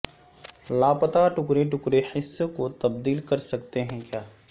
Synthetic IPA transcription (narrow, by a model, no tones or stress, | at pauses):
laːpət̪aʈʊkɾeʈʊkɾehɪsːkot̪ɐb̚d̪iːlkɐɾsɐk̚t̪eɦɛ̃kjaː